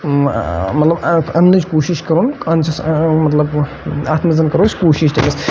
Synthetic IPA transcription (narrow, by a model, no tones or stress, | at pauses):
mɐt̪lɐbɐnlɐt͡ʃkoːʃiʃkɐɾunkɐnt͡ʃʰɐsmɐt̪lɐb | aːt̪ʰmɐzɐnkɐɾot͡ʃʰkoːʃiʃd̪emis